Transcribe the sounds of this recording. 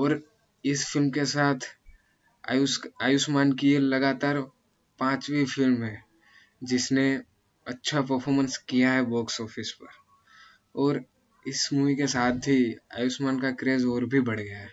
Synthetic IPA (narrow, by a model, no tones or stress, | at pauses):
ɔːɾ | ɪsfɪlmkesaːt̪ʰ | jaːjʊsmaːnkielɐɡaːt̪aːɾ | pãːt͡ʃʋifʰɪlmɦɛː | d͡ʒɪsne | ɐtːʃʰapəɾpʰɔːɾmə̃nskijaɦɛbɔːksɔːpʰɪspəɾ | ɔːɾ | ɪsmuikesaːt̪̚ʰbʱia̰ːjʊsmaːnkakɾeːzɔːɾbʱibɐɽ̤ɡəjaɦɛ